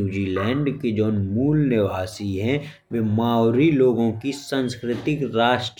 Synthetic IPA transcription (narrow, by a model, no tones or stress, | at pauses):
uːd͡ʒilɛ̃ːɳɖked͡ʒoːnmuːlnɪʋaːsiɦɛ̃ | ʋemaːwɾiloːɡõkisə̃nskɾɪt̪ɪkɾaːʃʈ